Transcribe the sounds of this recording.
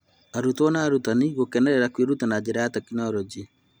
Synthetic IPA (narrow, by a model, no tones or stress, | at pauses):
aɾutɔnaːɾutaniɣokɛnɛɾɛɾakweɾutanad͡ʒeɾajatakinɔɾɔd͡ʒi